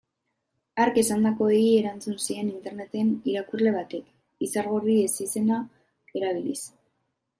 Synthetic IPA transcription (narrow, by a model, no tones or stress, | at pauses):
aɾke̞sand̪ako̞eie̞ɾant͡sunsie̞nint̪e̞ɾne̞t̪e̞niɾakurle̞β̞at̪e̞k | isaɾɣorie̞sise̞na | e̞ɾaβ̞ilis